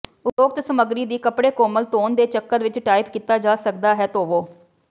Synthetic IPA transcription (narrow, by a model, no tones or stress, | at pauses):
ʊtoːkt̪səməɡɾiːd̪iːkəpɽeːkoːməlt̪oːnd̪eːt͡ʃəkːəɾʋɪt͡ʃʈaːɪpkiːt̪aːd͡ʒaːsək̚d̪aːɦɛːt̪oːʋoː